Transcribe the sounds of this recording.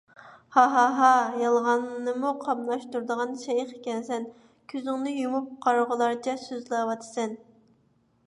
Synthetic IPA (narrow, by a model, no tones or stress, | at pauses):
hɑɦɑɦɑjɑlˠʁɑnːɨmuqʰɑmlˠɑʃt̪uɾd̪əʁɑnʃɛjqe̥kʲɛnsɛn | kʲʰyzɪŋnɪjumup̚qʰɑɾʁəlˠɑɾt͡ʃʰɛsøzlɑwɑt̪ʰɨ̥sɛn